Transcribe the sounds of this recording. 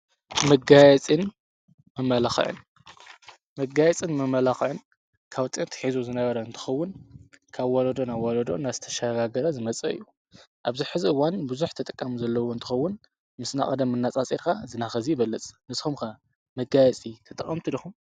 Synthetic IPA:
mɐɡajɛt͡sʼɨn | mɨmːɐlaxɨ̰ʕɨ̰n | mɐɡajɛt͡sʼɨnmɨmɐlaxɨʕɨn | kʰawt̪ʼɨnt̪ʰɨ̥ħizuzɨnɐβɐɾɐɨnt̪ʰɨ̥xɐwːʊnkʰaβwolɐd̪onaβwolɐd̪o̞̰nazɨt̪ʰɐ̥ʃaɡaɡɐɾɐzɨmɐt͡sʼɐ̰ʔɨ̰jːu | ʔaβzɨħɨziɨwːanbɨzuħt̪ʰɐt̪ʼɨkʼːamuzɐlːɐwoɨnt̪ʰɨ̥xɐwːʊn | mɨsna̰χʼɐd̪ɐmːɨnːat͡sʼat͡sʼiɾkʰazɨnaxɐzibɐlːɐt͡sʼnɨsxumxa | mɐɡajɛt͡sʼit̪ʰɨt̪ʼɨχʼɐmt̪ʰɨid̪ɐxum

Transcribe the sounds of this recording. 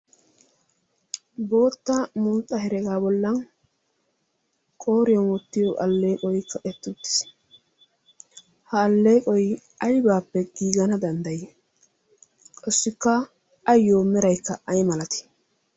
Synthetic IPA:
bo̞ːt̪ːɐmuːt̪ʼːɐhɛɾɛɡaːbɔlːɐn | kʼo̞ːɾɪjɔnwɔt̪ːɪjɔʔɐlːe̞ːkʼɔjkːɐʔɛt̪ːʊt̪ːɪ̥s | hɐːlːeːkʼɔj | ɐjbaːpːɛɡ̥iːɡɐnɐd̪ɐnd̪ɐje | kʼɔsːɪkːɐː | jːoːmɛɾɐjkːɐɐjmɐlɐt̪ɪ̥

